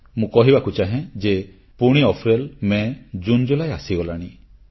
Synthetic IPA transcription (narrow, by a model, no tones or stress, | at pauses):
mũkɔɦibakut͡ʃaɦẽd͡ʒe | puɽ̃iɔpʰɾelmẽd͡ʒund͡ʒulajasiɡɔlaɽ̃i